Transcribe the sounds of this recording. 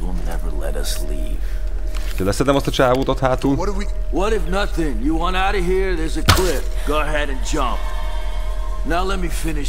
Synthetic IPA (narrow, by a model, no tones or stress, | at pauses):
wɪ̰lˠnɛ̰və˞lɛ̰ɾʌ̰slḭ | v̥ | ʃkɛlɛsɛd̪ɛmɒst̪ɒt͡ʃaːvoːt̪ot̪haːt̪uːl | wʌɾɨfnʌθɪ̃ŋjɨwɑ̃naʊɾɨɦiɹðə˞zɨkʰl̥ɪf | ɡ̥oʊɦɛɾɨ̃nd͡ʒʌ̃mp̚ | naʊlɛt̚mifɪ̃nɪ